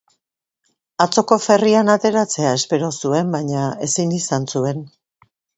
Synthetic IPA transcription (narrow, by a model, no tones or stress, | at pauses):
at͡so̞ko̞fe̞rianat̪e̞ɾat͡se̞ae̞spe̞ɾo̞sue̞mbajɲae̞sinisansue̞n